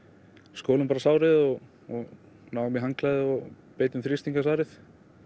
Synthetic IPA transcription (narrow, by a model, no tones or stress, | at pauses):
skoːwlʏmpaːɾasaːwɾɪðɔɣ | ɔɣ | nawɣmɪɦaŋklaðɪɔ | peːjt̪ʏmθɾist̪iŋkasaːɾɪθ